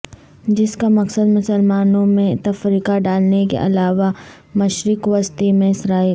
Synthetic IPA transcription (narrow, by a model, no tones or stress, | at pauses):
d͡ʒɪskamɐksəd̪mʊsəlmaːnõmẽt̪ɐfɾiːkaɖaːlnekḛʔɐ̰laːʋa | mɐʃɾɪkʋɐst̪imẽsɾaːi